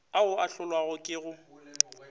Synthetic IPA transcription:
aʊaɬʊlwaɣʊkʼɪɣʊ

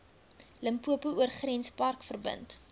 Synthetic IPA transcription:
ləmpuəpuuərχrɛnspɐrkfərbə̰nt

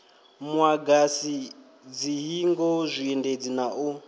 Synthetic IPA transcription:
mwaɡasi | d͡ziɦiŋɡɔzʷiɛnded͡zinaʔu

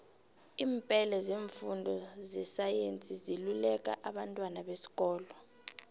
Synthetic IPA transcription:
iːmpʼɛlɛzeːɱfundʱɔzɛsajent͡sʼizilulɛk̬ʼa̰ʔaɓantʼwanaɓesi̥kʼɔːlɔ

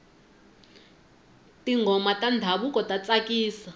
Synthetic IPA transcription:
tiŋɡʱɔmatandʱaɓukɔtat͡sakiːsa

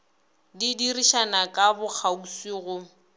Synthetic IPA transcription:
didiriʃanakʼabʊk͡xʰausiːɣʊ

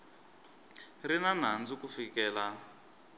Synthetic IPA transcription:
rinan̤and͡zukufikɛːla

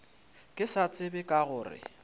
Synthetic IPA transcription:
kʼɪsat͡sʼɪbɪkʼaɣʊːrɪ̰

